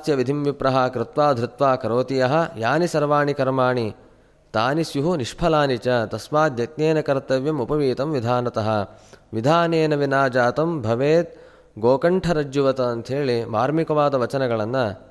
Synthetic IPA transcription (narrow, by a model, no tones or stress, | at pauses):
astjɐʋid̪ʱimʋipɾɐɦɐkɾɪt̪ʋaːd̪ʱɾɪt̪ʋaːkɐɾoːt̪ijɐɦɐ̆jaːnisɐɾʋaːɳikɐɾmaːɳi | t̪aːnisjuɦuniʂpʰɐlaːnit͡ʃɐt̪ɐsʋaːd̪ʱjɐt̪neːnɐkɐɾɐt̪ɐʋjɐmupɐʋiːt̪ɐmʋid̪ʱaːnɐt̪ɐɦɐ̆ʋid̪ʱaːneːnɐʋinaːd͡ʒaːt̪ɐmbʱɐʋeːt̪̚ | ɡoːkɐɳʈʰɐɾɐd͡ʒjuʋɐt̪ɐːnt̪ɦeːɭimaːɾmikɐʋaːd̪ɐʋɐt͡ʃɐnɐɡɐɭɐnːɐ